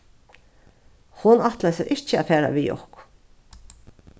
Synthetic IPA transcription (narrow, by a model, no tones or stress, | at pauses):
hʊnaht̪lajsaɾʔɪ̥t͡ʃəaːfæːɾa̰ʋiːjɔ̰hkʊ